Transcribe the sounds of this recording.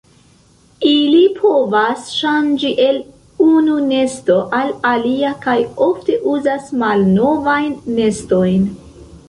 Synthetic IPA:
ilipʰo̞vasʃand͡ʒiʔe̞l | unune̞sto̞ʔalaliakajo̞fte̞ʔuzasmalno̞vajnːe̞sto̞jn

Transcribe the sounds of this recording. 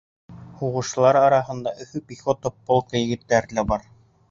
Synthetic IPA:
huʁɤ̆ʃ̆lˠɑɾɑɾɑɦɤ̆nd̪ɑʔɵ̆θɘpiχot̪opːolˠkɤjɘ̆ɡɘ̆t̪ːæɾlæbɑɾ

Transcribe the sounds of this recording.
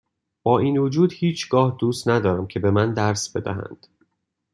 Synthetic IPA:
b̥ɒːiːnvod͡ʒuːd̪hiːt͡ʃʰɡ̥ɒːhd̪uːst̪næd̪ɒːɾæmcʰe̞be̞mænd̪æɾsbe̞d̪æ̰ɦæ̰nd̪̥

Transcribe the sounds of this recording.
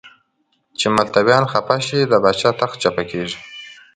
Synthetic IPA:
t͡ʃemalt̪abjɑnxapaʃid̪əbɑt͡ʃɑt̪axt͡ʃapakeʐi

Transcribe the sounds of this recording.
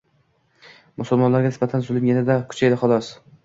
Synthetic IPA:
mʊsʊlˠmɒnlaɾɡʲanɪsbat̪ʰanzʊlˠɪmjanad̪akʰʊ̥t͡ʃʰajlaχɒlˠɒs

